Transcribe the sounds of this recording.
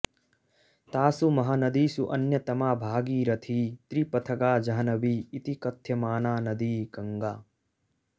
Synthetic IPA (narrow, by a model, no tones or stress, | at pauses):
t̪aːsumɐɦɐnɐd̪iːsuʔɐnjɐt̪ɐmaːbʱaːɡiːɾɐt̪ʰiːt̪ɾipɐt̪ʰɐɡaːd͡ʒɐɦɐnɐʋiːt̪ikɐt̪ʰjɐmaːnaːnɐd̪iːɡɐŋɡaː